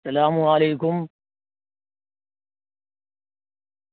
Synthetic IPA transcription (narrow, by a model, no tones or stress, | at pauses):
sɐlaːmuaːleːkʊm